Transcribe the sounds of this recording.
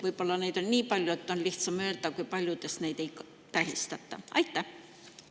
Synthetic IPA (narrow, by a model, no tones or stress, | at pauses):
ʋoibolːɑneit̪onʲnʲiːpɑlʲjoet̪ːonlʲiht̪sɑmøːlt̪ˑæːkuipɑlʲjot̪esneit̪eik | t̪æhist̪æt̪ːɑ̰ɑ̰it̪ːæ